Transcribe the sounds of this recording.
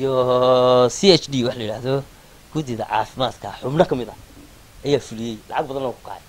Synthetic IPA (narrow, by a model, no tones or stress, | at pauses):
ijɔ | siɛt͡ʃdiːwɑħlɐjɽaːðɔ | ɡ̥ʊðɪðɐ̰ʕɑ̰ːfɪmaːd̪kʰɐħʊbnɐkʰɐmɪðɐ | ʔɐjaːfʊlɪjɛjlɑ̰ʕɑɡ̚bɐðɐnɐwːkʰʊ̥kʰa̰ːʕɛ